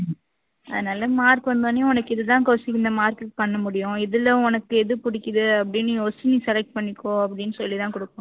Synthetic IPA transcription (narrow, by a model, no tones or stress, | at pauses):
ɐðɯnɐlːɐmaːɾkɯʋɐnd̪oːneɔnɐkːɪðɯt̪ãːkoːsɪkːɪnd̪ɐmaːɾkɯkːpɐɳːɐmʊɽɪjʊ̃ɪðɯlːɐɔnɐkːɯɛðɯpʊɽɪkːɪðɯɐpːɐɽɪnːɯjoːst͡ʃːɪniːsɛlɛk̚ʈ̚pɐɳːɪkːõːɐpːɐɽɪnːɯsɔlːit̪ãːkʊɽɯkːʊ̃